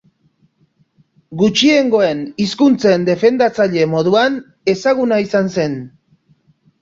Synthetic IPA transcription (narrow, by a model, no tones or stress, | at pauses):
ɡut͡ʃie̞ŋɡo̞e̞niskunt͡send̪e̞fe̞nd̪at͡saʎe̞mo̞ðuan | e̞saɣ̞unaisanse̞n